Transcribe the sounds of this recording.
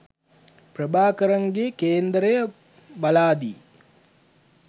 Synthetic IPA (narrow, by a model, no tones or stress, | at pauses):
prəbaːkəɾɐŋɡeːkeːnd̪ɾəjə | balaːd̪iː